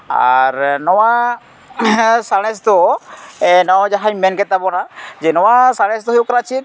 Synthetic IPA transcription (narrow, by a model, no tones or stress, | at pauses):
a̰ɾnɔwa | saɽ̃ɛs̬t̪ɔ | ɛnɔd͡ʒaɦaɲmɛnkɛt̪̚ːabɔnaʔd͡ʒɛnɔwasaɽ̃ɛst̪ɔɦjukɾat͡ʃʰit̪̚